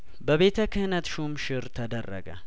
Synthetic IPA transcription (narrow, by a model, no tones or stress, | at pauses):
bəβe̞t̪ʰəkʰɨhnət̪ʃumʃɪɾt̪ʰəd̪ərːə̰ɡə̰